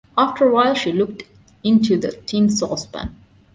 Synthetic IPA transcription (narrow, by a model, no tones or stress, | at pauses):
ʔaftəɹəwaɪlˠʃilʊk̚t | ɪ̃ntʰʉðətʰĩnsɔsbæ̰̃n